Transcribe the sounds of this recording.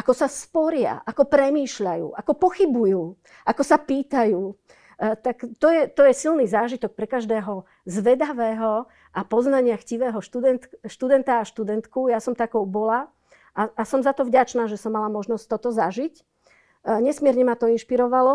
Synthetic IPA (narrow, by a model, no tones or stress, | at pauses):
ʔakɔsaspɔɾɪa̰ʔakɔpɾɛmiːʃʎajṵːʔakɔpɔxibujuː | ʔakɔsapiːt̪ajuː | t̪akt̪ɔjɛt̪ɔjɛsilnizaːʒit̪ɔk̚pɾɛkaʒd̪ɛːɦɔ | zʋɛd̪aʋɛːɦɔ | ʔapɔznaɲɪaxciʋɛːɦɔʃt̪ud̪ɛnt̪ʃt̪ud̪ɛnt̪aːʃt̪ud̪ɛnt̪kujasɔmt̪akɔʊbɔla | ʔaasɔmzat̪ɔvɟat͡ʃnaːʒɛsɔmːalamɔʒnɔst̪ɔt̪ɔzaʒic | ɲɛsmɪɛɾɲɛmat̪ɔinʃpiɾɔʋalɔ